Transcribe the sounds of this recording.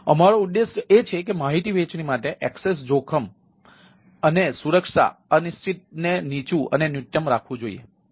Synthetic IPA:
əmaɾoʊd̪ːeʃet͡ʃʰekemaɦit̪iʋet͡ʃnimaʈeʔɛkses̬d͡ʒokʰəm | ənesuɾəkʂa̰ənist̪ʰit̪̚nenit͡ʃũʔə̰nenjuʈ̪jəmɾakʰʋũd͡ʒoḭjḛ

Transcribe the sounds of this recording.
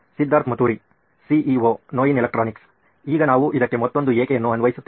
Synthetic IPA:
sid̪ːaːɾt̪mɐt̪uːɾi | siʔiʋoːnoːjinilɐk̚ʈɾaːniks | iːɡɐnaːʋuʔid̪ɐkːe̞mɐt̪ːo̞nd̪ueːkejɐnːuɐnʋɐjisut̪ː

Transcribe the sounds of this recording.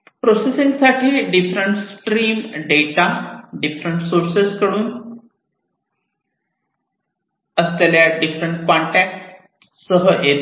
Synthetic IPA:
pɾosesĩŋɡsaʈʰiːɖifɾəɳʈsʈɾiːmɖeʈaɖifɾəɳʈsoɾseskəɽuːn | əskaljaɖifɾəɳʈ̚kɔ̃ɳʈɛk̚ʈ | səɦəʔe

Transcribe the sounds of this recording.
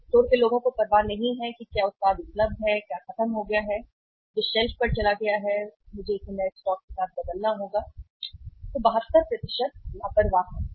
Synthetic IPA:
soːɾkeloːɡõkopɐɾʋaːnɐɦĩɦɛkikjaːʊt̪saːd̪ʊpləb̪ɦɛkjaːxɐt̪əmɦoɡɐjaɦɛ | d͡ʒoːʃɛlfpɐɾt͡ʃɐlaɡɐjaɦɛmʊd͡ʒʱeɪsenɐsʈɔːk̚kesaːt̪̚ʰbɐd̪əlnaɦoːɡaː | t̪obɐɦətt̪ːəɾpɾɐt̪ɪʃət̪̚laːpəɾʋaːɦɛ

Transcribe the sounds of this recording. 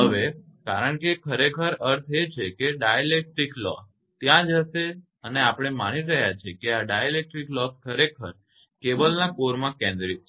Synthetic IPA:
ɦəʋekaɾəɳkekʰəɾekʰəɾəɾt̪ʰet͡ʃʰekeɖajelek̚ʈɾiklɔ̰s | t̪jãd͡ʒəʃe | əneapəɽ̃ema̰niɾəɦjat͡ʃʰekeaɖajelek̚ʈɾiklɔskʰːəɾekʰəɾ | kebəlnakoɾmãkɛ̃nd̪ɾi

